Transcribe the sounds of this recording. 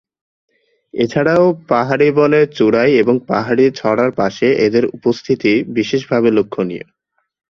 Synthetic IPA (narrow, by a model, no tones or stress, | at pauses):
et͡ɕʰaɽaopaɦaɽibɔlet͡ɕuɽajeboŋpaɦaɽit͡ɕʰɔɽaɾpaʃeʔed̪eɾupost̪ʰit̪ibiʃeʃbʱabelokʰːoniḛ